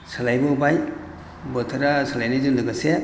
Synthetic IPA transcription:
salajbɯbaj | bɯtʰaɾasalajnɯzɯndɯɡase

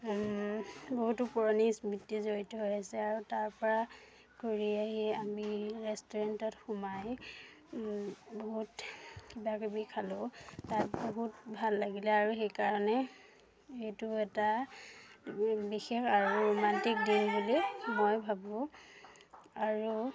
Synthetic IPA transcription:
boɦutupɔɹɔnismitːizoɹitɔɦojasɛaɹutaɹpɔɹa | koɹiaɦiamiɹɛstɔɹantɔtxumaj | boɦutkibakebikʰalʊtatboɦutbʱalːaɡilɛaɹuxejkaɹɔnɛ | etuɛta | bixexaɹuɹomantik̚dinbulimojbʱabɔ̃ | aɹu

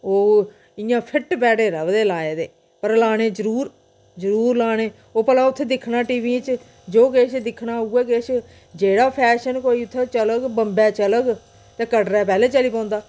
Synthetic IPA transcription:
oː | ɪjãːpʰɪʈbɛːɽeːɾəʋd̪eːlaːeːd̪eː | pəɾlaːɽ̃eːzəɾuːɾ | zəɾuːɾlaːɽ̃eː | oːpəlãːʊt̪ʰːeːd̪ɪkʰːnaːʈiːʋiːt͡ʃ | d͡ʒoːkeːʃd̪ɪkʰːnaːuːɛːkeʃ | d͡ʒeːɽaːpʰɛːʃənkoːiːʊt̪ʰːeːt͡ʃələɡbəmbɛːt͡ʃələɡ | t̪ẽːkəʈɾɛːpɛːleːt͡ʃəliːpãːnd̪aː

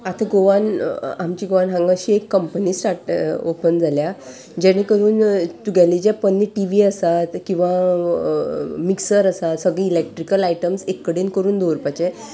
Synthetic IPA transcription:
at̪ʰaɡoʋanamt͡ɕiɡoʋanɦãŋɡaɕiːekːəmpəniːsʈaɾʈo̰pənd͡zʱalja | d͡ʑaɽ̃ikəɾuːnt̪uɡʱalid͡ʑjapənːiʈiʋiːəsat̪kĩw̃ʋa | miksəɾəsat̪səɡɭiilek̚ʈɾikəlajʈəmsekːəɽenkəɾuːnd̪oɾupat͡ɕe

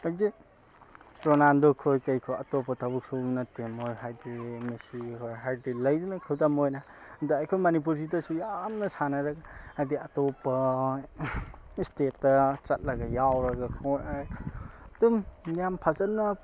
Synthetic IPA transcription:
ade | ɾonandokʰojkɐjkʰoɐtopɐtʰɐbuk̚sunɐtemojɦajdimesikʰojɦajdilɐjdunɐkʰɐwtamojna | dɐajkʰojmanip̬uɾsitɐsujamnɐsanɐɾɐɡɐhajdiɐtɔpɐ | istetːɐt͡ʃɐt̚lɐɡɐjawɾɐɡɐkʰɔɾaj | dumnijampʰazɐt̚nɐ

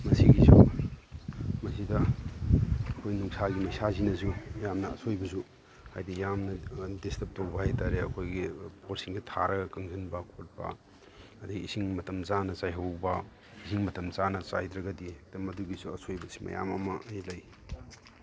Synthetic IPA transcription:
mɐsiɡisṵ | mɐsidɐ | ɐkʰojnuŋsaɡimɐjsazinɐsujamnɐ̰ːsʰojbɐsu | ha̰jdijamnɐdestɐp̚towbɐhajtaɾeɐkʰojɡipʰoɾsiŋsitʰaɾɐɡɐkɐŋzɐnbɐkʰot̚bɐ̰ | ɐdɐɡiisiŋmɐtɐmt͡ʃanɐt͡ʃajɦɐwbɐ | isiŋmɐtɐmt͡ʃanɐt͡ʃa̰jdɾɐɡɐdid̥ɐmɐduɡisuɐsojbɐsi̥mɐ̰ja̰mɐmɐʔɐjlɐj

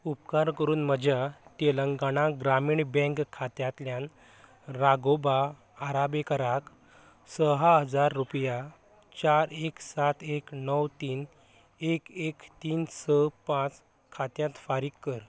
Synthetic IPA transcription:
upkaɾkəɾuːnməd͡ʑjaʈ̪eləŋɡanãɡɾamiːɳbɛ̃ŋkkʰːat̪jãt̪ljãn | ɾaɡobaː | ɾabekəɾak | səɦaɦəd͡zaɾːupja | t͡ɕaɾeksat̪ʰeknəwt̪iːn | ekekt̪iːnsəpãt͡s | kʰat̪jãt̪faɾiːkːəɾ

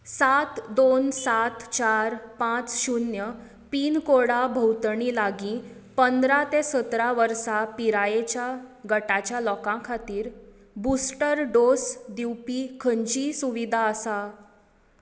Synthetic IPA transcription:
sat̪d̪onsat̪t͡ɕaɾpãt͡sɕunjə | piːnkoɽabʱəwt̪ɳilaɡĩ | pənd̪ɾat̪esət̪ɾaʋəɾsapiɾajet͡ɕjaɡəʈat͡ɕjalɔkãkʰat̪iːɾ | busʈəɾɖosd̪iwpiːkʰəɲt͡ɕiːsuʋid̪ʱaəsa

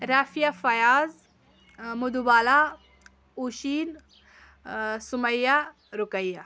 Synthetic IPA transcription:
ɾaːfijafɐjaːz | mud̪ubaːla | uɕiːn | suməjːa | ɾukəjːa

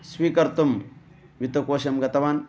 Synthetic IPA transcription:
swiːkɐɾt̪um | ʋit̪ɐkoːɕɐmɡɐt̪ɐʋaːn

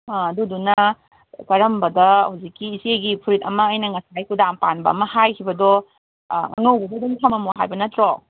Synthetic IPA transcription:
ɐdudunɐ | kɐɾɐmbɐdɐhawzikːiːseɡipʰuɾit̚ɐmɐːjnɐŋɐsajkʰudampanbɐ̰ɐ̰mɐhajkʰibɐdɔ | ŋɐ̰ŋowbɐdɐdɔŋtʰamɐmuɦa̰jbɐnɐtɾo

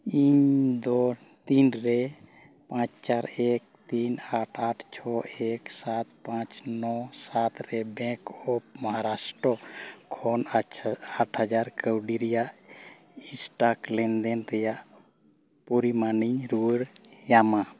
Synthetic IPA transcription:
iɲd̪ɔ | t̪inɾɛ | pãt͡ʃt͡ʃaɾeɛk̚t̪inaʈʰaʈʰt͡ʃʰɔɛksat̪pãt͡ʃnɔsat̪ɾɛbɛ̃kɔp̚maɦaɾasʈɾɔkʰɔn | aʈʰhad͡ʒaɾkəwɖiɾɛjaʔ | isʈaklɛnd̪ɛnɾɛjaʔ | puɾimaniɲɾuɾjama

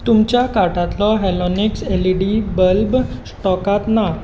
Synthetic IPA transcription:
t̪umt͡ɕjakaʈãt̪lɔɦɛlɔnikseliɽibəlbsʈɔkat̪na

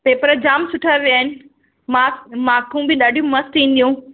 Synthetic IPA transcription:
peːpəɾəd͡ʑaːmsʊʈʰəɾʋijaːɦɪnɪ̆ | mamaːkũbɪɗaːɖʱijũmɐst̪ĩːn̆d̪ijũː

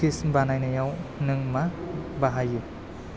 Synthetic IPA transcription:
isbanajnajawnɯŋmabaɦajɯ

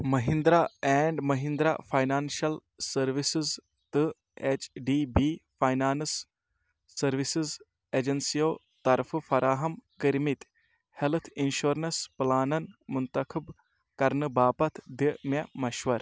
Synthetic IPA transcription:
mɐɦĩnd̪ɾaːɛːɳɖmɐɦĩnd̪ɾa̰fʰaːjnaːnʃɐl | sɐɾʋisɨz | t̪ɨ | eːt͡ʃɖiːbiːfaːjnaːnsː | ɐɾʋisɨz | eːd͡ʒɐnsijoː | t̪ɐɾffɐɾʔaːɦɐmkəɾmit̪ | helt̪ʰinʃuɾnɐsplaːnɐnmʊnt̪ɐkʰib | kɐɾnɨbaːpɐt̪ʰd̪imemɐʃʋɐɾ

